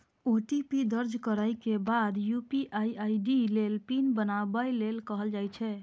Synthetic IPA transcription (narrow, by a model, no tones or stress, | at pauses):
oʈipid̪əɾd͡ʒkəɾajkebad̪jupiʔajajɖilelpinbənabəjlelkəɦəld͡ʒajt͡ʃʰɛ